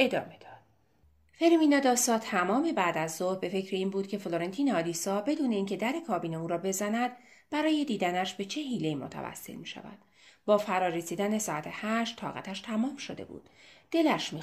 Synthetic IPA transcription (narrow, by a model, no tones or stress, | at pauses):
e̞d̪ɒ̰ːme̞d̪ɒːd̪̥̚ | fe̞ɾimiːnɒːd̪ɒːsɒːt̪ʰæmɒːmibæd̪æzːohbe̞fe̞cʰɾeiːnbuːd̪̥cʰe̞floɾent̪ʰiːneɒːd̪iːsɒːbe̞d̪uːne̞iːŋcʰe̞d̪æɾe̞kʰɒːbiːneuːɾɒːbe̞zænæd̪ | b̥æɾɒːje̞d̪iːd̪ænæʃbe̞t͡ʃʰe̞ɦiːle̞iːmo̰t̪ʰæ̰væ̰sːelmiːʃæ̰væ̰d̪̥ | bɒːfæɾɒːɾesiːd̪æne̞sɒːæt̪ʰehæʃt̪t̪ʰːɒ̰ːɣæ̰t̪ʰæʃt̪ʰæmɒːmʃod̪e̞̰bṵːd̪̥d̪̥e̞læʃmi